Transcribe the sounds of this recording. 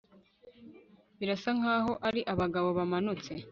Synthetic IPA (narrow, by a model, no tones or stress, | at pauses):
βiɾasaŋ̥aːɦo̞ʔaɾiʔaβaɡaβo̞βamanut͡se̞